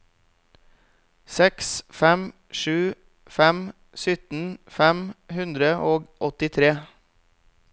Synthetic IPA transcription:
sɛksfɛm | ʃʉː | fɛm | sʏt̪n̩fɛmhʉnd̪ɾəʔoːɡʔɔt̪ɪt̪ʰɾeː

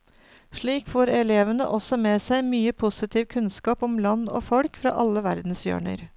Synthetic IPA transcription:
ʂɭiːkfoːɾɛleːʋənə̰ʔɔsɔmeːsæɪmyːəpʰʊsɪt̪ʰiːʋkʰʉnskɑːpɔmlɑnːo̰ːfɔɽkfɾɑ̰ːʔɑlːəʋæɾd̪n̩sjø̰ːɳə̰ɾ

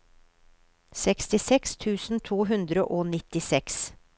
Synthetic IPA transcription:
sɛkst̪ɪsɛkst̪ʰʉːsn̩t̪ʰuːɦʉnd̪ɾəʔoːnɪt̪ɪsɛks

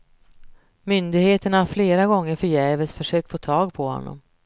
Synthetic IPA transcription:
mʏnd̪ɪɡheːt̪əɳafleːɾaɡɔŋːəɾfœjɛːvəsfœʂøːk̚t̪foːt̪ʰɑːɡ̚pʰɔhɔ̰nːɔ̰m

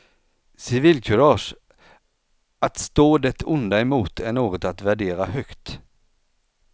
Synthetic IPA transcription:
sɪviːlkʰɵɾɑːʂ | ʔat̪st̪oːd̪ɛt̪ʰʊnd̪aɛmuːt̪ʰæɳoːɡɔt̪at̪væɖeːɾahœkt̪

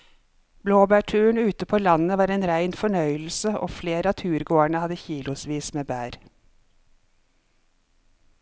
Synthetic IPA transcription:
bloːbæːʈʰʉːɳ̩ʉːt̪əpʰoːlɑnəʋɑːɾeːnɾæɪnfɔɳœʏl̩səʔo̰ːfleːɾɑt̪ʰʉːɾɡoːæɳəhɑd̪əçiːlʊsʋiːsmeːbæːɾ

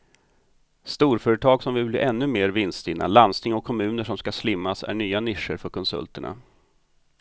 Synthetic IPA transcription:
st̪uːɾfœːɾət̪ʰɑːɡsɔmvɪlblḭːʔɛnːɵmeːɾvɪnst̪ɪnʔa̰lanst̪ɪŋɔkʰːɔmʉ̟ːnəʂɔmskaslɪmːasæ̰ɳyːanɪʂəɾfœɾkʰɔnsɵ̰lt̪əɳa̰

